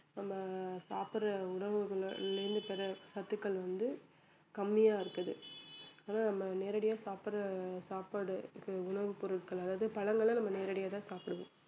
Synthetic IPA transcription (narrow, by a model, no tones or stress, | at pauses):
nɐmːɐsaːpɪɾɐʊɳɐʋɯɣɐɭɾɯnd̪ɯpɛɾɐsɐt̪ːɯkːɐɭʋɐnd̪ɯ | kɐmːɪjaːɪɾɯkːɐðɯaːnaːnɐmːɐneːɾɐɽɪjaːsaːpɪɾɐsaːpaɽɯkːɯʊɳɐʋɯpːɔɾɯʈkɐɭɐlːɐðɯpɐlɐŋɡɐɭɐ̃nɐmːɐneːɾɐɽɪjaːt̪ãːsaːpɪɽɯʋõː